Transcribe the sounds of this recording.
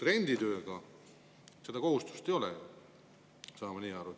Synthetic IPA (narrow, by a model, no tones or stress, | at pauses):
t̪ɾe̞nʲd̪̥it̪ø̞ːɡ̥ɑ | se̞d̪ɑko̞ɦust̪u̥st̪e̞jo̞lɛ̰ | sɑːmɑniːɑɾu